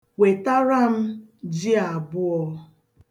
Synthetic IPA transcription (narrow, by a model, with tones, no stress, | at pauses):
we˨ta˦ɾa˦m̩˦d͡ʒɪ˦a˨bʊ˦ɔ˦